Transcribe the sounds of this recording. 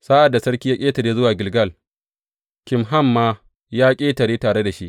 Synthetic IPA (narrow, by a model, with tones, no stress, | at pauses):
saː˦ʔa˨dːa˨sɐ˦ɽkʲiː˦ja˦kʲʼeː˦tɐ˨ɽeː˦zʊ˦waː˨ɡʲɪ˨lɡɐ˦˨l | kʲɪ˨mɦa˦˨mːaː˦ | jaː˦kʲʼeː˦tɐ˨ɽeː˦taː˨ɽe˦da˨ʃi˦ʔ